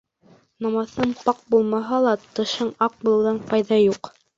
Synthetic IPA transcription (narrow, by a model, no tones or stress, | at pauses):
nɑmɑθɤɴpɑq̚bulˠmɑɦɑlˠɑt̪ɤ̆ʃɤɴɑq̚bulˠɤ̆wðɑnfɑjðɑjuq